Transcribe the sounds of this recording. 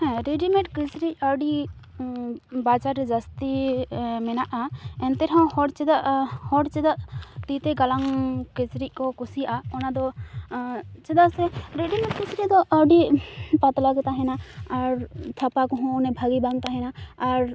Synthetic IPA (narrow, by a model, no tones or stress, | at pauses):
hɛ̃ɾeɖimɛ̃ʈkisɾic̚ˀaɖi | bat͡ʃaɾːɛd͡ʒast̪i | mɛnaʔaɛnt̪ɛɾɦɔ̃hɔɖt͡ʃɛd̪aʔhɔɖt͡ʃɛd̪aʔt̪it̪ɛɡalaŋkit͡ʃɾic̚ˀkɔkusiʔaɔnad̪ɔ | t͡ʃɛd̪asɛɾeɖimɛʈ̚kit͡ʃɾid̪ɔʔaɖipat̪laɡt̪aɦɛnaːɾt̪ʰapakɔɦɔ̃ɔnɛbʱaɡibaŋt̪aɦɛnaːɾ